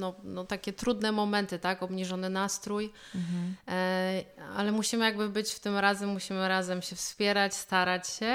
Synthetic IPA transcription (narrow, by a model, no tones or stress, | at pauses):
nɔnɔt̪akʲɛt̪ɾud̪nɛmɔmɛnt̪ɘt̪akɔbɲiʐɔnɘnast̪ɾuj | a̰lɛmuɕimɘjaɡbɘbɘt͡ɕft̪ɘmɾazɛmːuɕimɘɾazɛmɕɛfspʲjɛɾat͡ɕst̪aɾat͡ɕɕɛ